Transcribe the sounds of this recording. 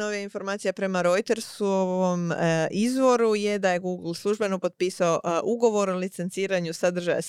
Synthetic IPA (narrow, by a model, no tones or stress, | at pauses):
oʋijainfo̞ɾmaːt̪ijapɾe̞maɾo̞jt̪e̞ɾsuoomizʋo̞ɾuje̞d̪ajeɡuɡl̩ˠslˠuʒbe̞no̞po̞t̪̚piːsaoʔuɡo̞ʋo̞ɾolit̪se̞nt̪siːɾaɲusad̪r̩ʒa̰ja̰s